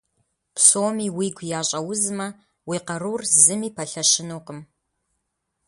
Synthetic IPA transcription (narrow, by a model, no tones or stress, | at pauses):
psoːmiːwiːɡʷjaːɕʼɐwʊzmɐ | wiːqɐɾuːrzɨmiːpʰɐɬɐʃɪnuːqəm